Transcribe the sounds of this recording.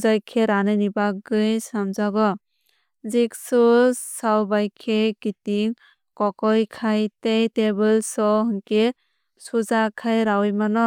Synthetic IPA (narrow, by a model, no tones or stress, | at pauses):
zajkʰeɾanɯnibaɡɯjsamzaɡɔ | zik̚sɔsawbajkʰekitiŋ | kɔkɔjkʰajtejtebɯlsɔɦɯŋke | suzakʰajɾawjmanɔ